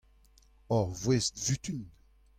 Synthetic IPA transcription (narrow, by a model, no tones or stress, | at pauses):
ɔʁvwɛst̪vyt̪yn